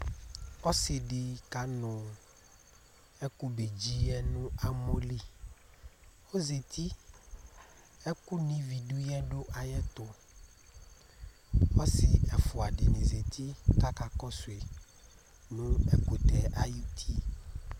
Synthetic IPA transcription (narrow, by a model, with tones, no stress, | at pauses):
ɔ˦sɪ˨ɖɪ˨ka˨˦nʊ̃˨ | ɛ˦ku˦be˨d͡ʑi˦ɛ˦nũ˦a˦mo˦li˦ | o˦ze˨t̪ʰi˦ | ɛ˦ku˦nĩ˦vi˨ɖu˦jɛ˦ɖo˦ʔa˨jɛ˦t̪ʊ˦ | ɔ˦sɪ˨ɛ˨fʊ˨a˨ɖɪ˨nĩ˨ze˨t̪ʰi˦ka˦ka˨kɔ˦sʊ˨e˨ | nũ˦ɛ˦ku˨t̪ɛ˨ʔa˦ju˨t̪ʰi˦